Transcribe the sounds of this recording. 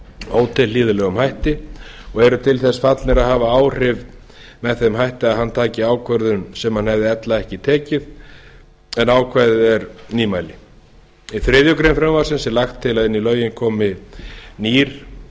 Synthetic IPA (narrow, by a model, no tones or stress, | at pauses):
oːwt̪ʰɪlɪːðʏlɛːɣʏmhajht̪ɪɔɣɛɾʏt̪ʰɪlθɛsːfat̪lɛɾaðɦaːvaaːwr̥ɪv | mɛðθemɦajht̪ɪaðhanːt̪ʰaːcɪaːwkʰvœɾðʏnsɛmhanhɛvðɪɛt̪laɛhcɪt̪ʰɛːcɪð | ɛnaːwkʰvajðɪɛɾniːmajlɪ | iθɾɪðjʏkɾejnfɾɛmvasɪnsɛlaxt̪ʰːɪlaðɪnːilœːɥjɪnkʰɔːmɪniːɾ̥